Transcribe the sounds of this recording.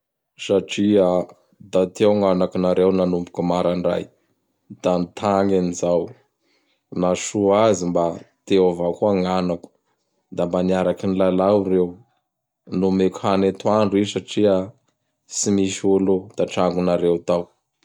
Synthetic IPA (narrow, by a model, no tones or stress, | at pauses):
saʈ͡ʂia | d̪at̪ewŋanakinaɾewnanumbu̥kumaɾaɳra̰j | d̪̥anit̪ʰaŋenizaw | naʃuazimbat̪eavakuaŋanaku̥ | d̪ambaniaɾakinilalawɾew | numekhanet̪uaɳuisaʈ͡ʂia | simiʃolod̪̥aʈ͡ʂaŋɡunaɾewt̪aw